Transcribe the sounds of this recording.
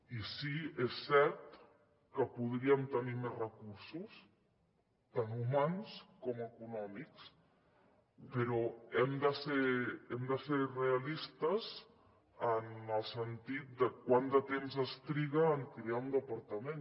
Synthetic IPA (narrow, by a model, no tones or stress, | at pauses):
isiesːɛɾt̪ | kəpuðɾiəmt̪ənimezrəkuɾsus | t̪anumanskɔməkunɔmiks | pəɾɔɛmd̪əseɾɛmd̪əseɾreəlist̪əz | ənəlˠsənt̪it̪̚d̪əkwand̪ət̪emzəst̪ɾiɣəːŋkɾeaund̪əpəɾt̪əmẽn